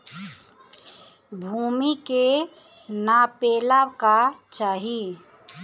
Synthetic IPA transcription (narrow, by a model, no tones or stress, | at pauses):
bʱuːmike | napeːlakat͡ʃaːɦi